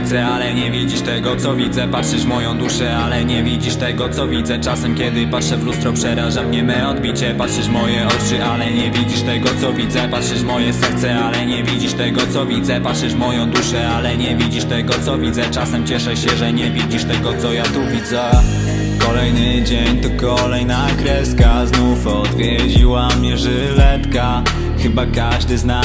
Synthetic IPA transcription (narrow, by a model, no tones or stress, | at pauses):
t̪sɛalɛɲɛvʲid͡ʑiʂt̪ɛɡɔt̪sɔvʲid̪zɛpatʂɘʂmɔjɔ̃w̃d̪uʂɛalɛɲɛvʲid͡ʑiʂt̪ɛɡɔt̪sɔvʲid̪zɛt͡ʂasɛmkʲjɛd̪ɘpatʂɛvlust̪ɾɔpʂɛɾaʐamimɘɔd̪̚bʲit͡ɕɛpatʂɛʂmɔjɛɔt͡ʂɘʔalɛɲɛvʲid͡ʑiʂt̪ɛɡɔt̪sɔvʲid̪zɛpatʂɛʂmɔjɛsɛɾt̪sɛalɛɲɛvʲid͡ʑiʂt̪ɛɡɔt̪sɔvʲid̪zɛpat̪ʂɘʂmɔjɔ̃w̃d̪uʂɛalɛɲɛvʲid͡ʑiʂt̪ɛɡɔt̪sɔvʲid̪zɛt͡ʂasɛmt͡ɕɛʂɛɕɛʐɛɲɛvʲid͡ʑiʂt̪ɛɡɔt̪sɔjat̪uvʲid̪zɛ | kɔlɛjnɘd͡ʑeɲt̪ɔkɔlɛjnakɾɛskaznufɔd̪vʲjɛd͡ʑiwamɲɛʐɛ | lɛt̪ka | xɘbakaʐd̪ɘzna